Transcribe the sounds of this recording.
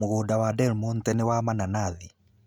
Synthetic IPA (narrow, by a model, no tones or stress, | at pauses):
oɣoːdawadɛlmuntɛnewamananaði